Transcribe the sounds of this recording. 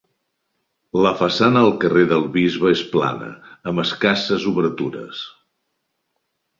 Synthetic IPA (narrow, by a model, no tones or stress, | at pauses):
ləfəsanəːlˠkəreðəlˠβizβəespla̰nə̰əmbəskasəzuβəɾt̪uɾə̰s